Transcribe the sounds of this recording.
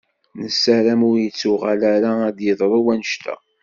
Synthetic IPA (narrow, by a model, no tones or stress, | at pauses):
nəsːæɾæmʊɾjət͡sːʊʁalæɾaːd̪jəðˤɾˤəwænəʃt̪ʰæ̰